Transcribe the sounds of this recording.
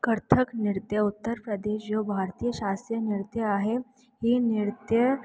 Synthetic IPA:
kəɾt̪ʰəknɪɾt̪jəʊt̪ːəɾpɾəd̪eːʃjobʱaːɾt̪iːjəʃaːst̪ɾjənɪɾt̪jəaɦe | ɦinɪɾt̪jə

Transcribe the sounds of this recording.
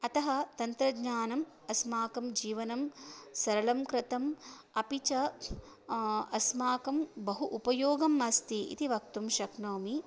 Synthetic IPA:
ɐt̪ɐɦɐt̪ɐnt̪ɾɐɡɲaːnɐm | ɐsmaːkɐmd͡ʒiːʋɐnɐmsɐɾɐlɐmkɾɪt̪ɐm | ɐpit͡ʃɐ | ɐsmaːkɐmbɐɦuʔupɐjoːɡɐmɐst̪iḭt̪iʋɐk̚t̪umʃɐknoːmi

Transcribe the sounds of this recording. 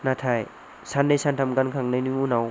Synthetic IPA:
natʰaj | sanːajsantʰamɡankʰaŋnajniunaw

